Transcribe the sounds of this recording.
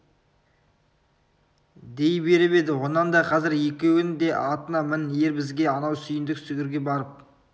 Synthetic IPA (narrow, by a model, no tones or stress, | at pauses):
d̪e̞jbe̞ɾɪpe̞d̪ɪwo̞nɑnd̪ɑqʰɑzɪɾje̞kʲe̞wɪŋd̪e̞ʔɑt̪ənɑmɪnje̞ɾbɪzɡʲe̞ɑnɑwsʏjɪnd̪ɪksʏɡʲɪɾɡʲe̞bɑɾəp̚